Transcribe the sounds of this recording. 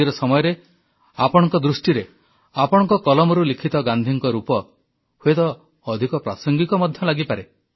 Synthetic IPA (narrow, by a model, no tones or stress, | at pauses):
iɾɔsɔmɔjɔɾe | apɔɽ̃ɔŋkɔd̪ɾusʈiɾe | apɔɽ̃ɔŋkɔkɔlɔmɔɾulikʰit̪ɔɡand̪ʱiŋkɔɾupɔ | huet̪ɔː | d̪ʱikɔpɾasɔŋɡikɔmɔd̪ʱjɔlaɡipaɾe